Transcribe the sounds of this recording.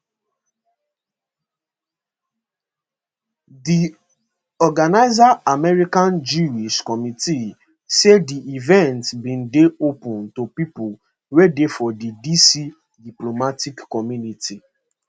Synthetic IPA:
di | ɔɡanaɪzaamɛɾikãnd͡ʒuiskɔmiti | sediivɛ̃ntbĩn̩deopũntopipu | wedefɔdidisi | diplomatikːɔmjũnitʰi

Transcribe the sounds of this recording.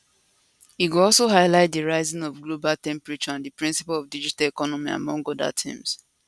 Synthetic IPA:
iɡuɔlsoɦaɪlaɪt̚diɹaɪzĩnɔvɡlobaltɛ̃mpɹit͡ʃɔãndipɹĩnsi̥palɔvdid͡ʒitalekɔnɔmia̰mɔ̃ŋɡɔda̰tʰḭ̃ms

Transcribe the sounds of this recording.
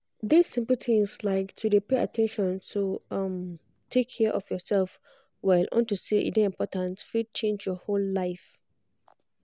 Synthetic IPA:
disĩmpl̩θʰĩslaɪktʰudepea̰tʰɛ̃nʃɔ̃ntʰuʌm | tʰekʰːɛʔɔfjɔsɛlf | waɪlʔɔ̰̃ntuseʔḭdeĩmpʰɔtãntfit͡ʃẽnd͡ʒjɔholːaɪf

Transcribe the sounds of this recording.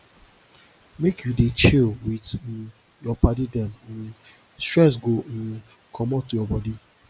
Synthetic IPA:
mekʰjudet͡ʃilwid | jɔpadidɛmn̩ | stɹɛs̬ɡon̩ | kʰɔmɔtujɔbɔdi

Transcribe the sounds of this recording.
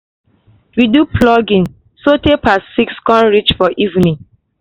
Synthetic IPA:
widuplɔɡĩn | sotepasːikskɔ̃nɹit͡ʃfɔʔivnĩŋ

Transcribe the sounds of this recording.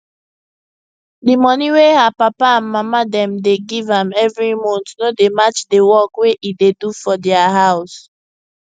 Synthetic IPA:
dimɔniwehapapaãnmamadɛ̃mdeɡivãmɛvɹimɔ̃ntnodemat͡ʃdewɔkweʔidedufɔdɛaɦaʊs

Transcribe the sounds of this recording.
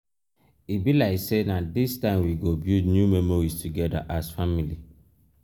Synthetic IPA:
ibilaɪksenadistãɪ̃mwiɡobildnjumɛmoɹistuɡɛda̰ʔazfamili

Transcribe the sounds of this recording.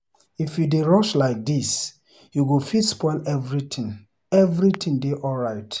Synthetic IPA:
ifjudeɹɔʃlaɪk̚dis | juɡufidspɔɪlɛvɹitʰĩŋ | ɛvɹitʰĩŋdeʔɔlɹaɪt

